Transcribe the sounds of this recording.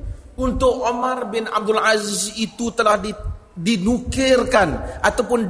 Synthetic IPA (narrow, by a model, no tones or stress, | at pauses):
unt̪ʊkomarbɪna̰b̚dʊlazisit̪ut̪əlahdi | dinukɪrkanʔat̪awpʊnd